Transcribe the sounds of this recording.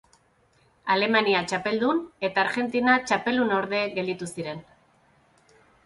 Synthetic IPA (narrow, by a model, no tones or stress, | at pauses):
ale̞maniat͡ʃape̞ld̪une̞t̪aːɾɣe̞nt̪inat͡ʃape̞ld̪unoɾðe̞ɡe̞ld̪it̪usiɾe̞n